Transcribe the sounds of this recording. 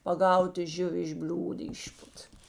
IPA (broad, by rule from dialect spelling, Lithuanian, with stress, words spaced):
pɐˈɡɐʊtɐ ˈʒʲʊʋʲɪ ɪʃ ˈbʲlʲuːt ˈɪʃpʊt